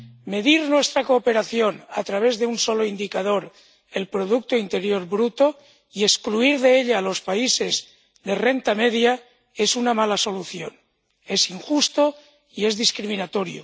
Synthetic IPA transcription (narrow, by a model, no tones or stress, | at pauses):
me̞ðiɾnwe̞st̪ɾakoːpe̞ɾaθjo̞na̰t̪ɾaβ̞e̞zðeunso̞loind̪ikað̞o̞ɾ | e̞lpɾo̞ðuk̚t̪oint̪e̞ɾjo̞ɾbɾut̪o | ie̞skluiɾðeeʎaːlo̞spaise̞z | ðere̞nt̪ameðja | e̞sunamalaso̞luθjo̞n | e̞siŋxust̪o̞ | ie̞zðiskɾimĩnat̪o̞ɾjo̰